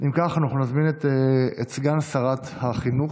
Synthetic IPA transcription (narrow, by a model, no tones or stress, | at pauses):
ʔimkaχanaχnunazminet̪eet͡sɡansaʁat̪haχinuχ